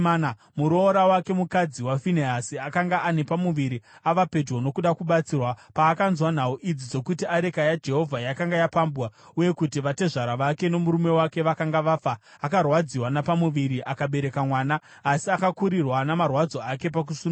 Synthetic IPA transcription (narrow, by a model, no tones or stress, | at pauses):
muɾoːɾawake̞mukad͡ziwafineasiakaŋɡaʔane̞pamuʋiɾiaʋape̞d͡ʒwono̞kuɗakuɓat͡sirwapaːkanzwan̤auʔid͡zid͡zo̞kutiaɾe̞kajad͡ʒe̞ɦo̞vʱajakaŋɡajapambwa | uje̞kutiʋate̞ʐaɾaʋake̞no̞muɾume̞wake̞ʋakaŋɡaʋafaː | karwad͡ziwanapamuʋiɾiʔakaɓe̞ɾe̞kamwaːnaː | siakakuɾirwanamarwad͡zo̞ake̞p̬ak̬usun